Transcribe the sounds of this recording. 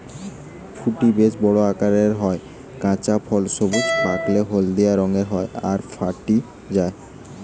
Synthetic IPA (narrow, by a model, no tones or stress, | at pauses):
fʰuʈibed͡ʑbɔɽoakaɾeɾɦɔe | kãt͡ɕapʰɔlʃobutpakleɦold̪ejaɾɔŋeɾɦɔeaɾfʰaʈi | d͡ʑae